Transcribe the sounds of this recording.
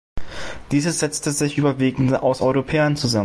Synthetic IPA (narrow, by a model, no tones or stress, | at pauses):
d̥iːzəz̥ɛt͡stəzɪçʔyːbɐviːɡŋ̩dʔa̰ʊsʔɔʏʁopʰɛːɐnt͡suza